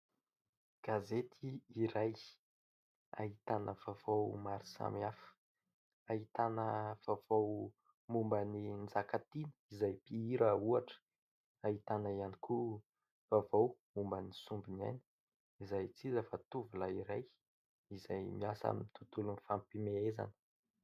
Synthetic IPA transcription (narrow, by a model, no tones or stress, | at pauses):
ɡ̥azet̪ʰiːɾaj | a̰ɦit̪anəv̥avowmaɾisa̰miafə̥ | aɦit̪anəv̥av̥ow | mumbənind͡zakat̪inə̥izajpiiɾəuaʈ͡ʂə̥ | aɦit̪anaianikʰu | v̥avowmumbənisumbina̰ni̥ | izajt͡sizəfat̪uvulaiɾaj | izajmiasa̰mmit̪ut̪ulunifampimeeza̰nə̥